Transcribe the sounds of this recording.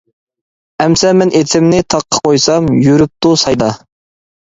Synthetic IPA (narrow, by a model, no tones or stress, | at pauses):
ɛmsɛmɛnʔet̪ʰɪmnɪt̪ʰɑqʰːə̥qʰojsɑmjyɾyp̚t̪usɑjd̪ɑ